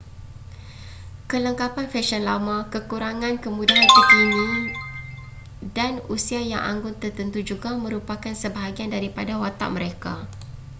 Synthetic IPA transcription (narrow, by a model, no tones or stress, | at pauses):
kələŋkapanfɛʃɔnlamakəkuɾaŋãnkəmũdiant̪ək̪inĩ | danusiaja̰ŋʔã̰ŋɡʊnt̪ərt̪ənt̪ud͡ʒuɡamə̃ɾupakansəbaɦaɡiandaɾipadawat̪a̰ʔ̚məɾeka